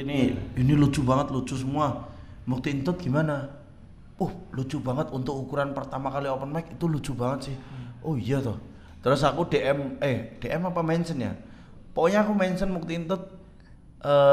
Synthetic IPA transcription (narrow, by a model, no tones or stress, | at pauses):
iniinilu̥d͡ʒ̥ubaŋət̪lu̥t͡ʃusəmua | muk̚t̪iːnt̪ʊt̪̚ɡ̥imana | uhlu̥d͡ʒ̥ub̥aŋət̪unt̪ʊk̚ukuɾanpərt̪amakaliopənmaɪkit̪ulu̥d͡ʒ̥ub̥aŋət̪̚sɪhʔoijat̪ɔh | t̪əɾʊsakudeʔɛmɛhd̥eʔɛmapamansənja̰ | poɲaːkumajnsənmuk̚t̪iːnt̪ʊt̪̚ | ʔə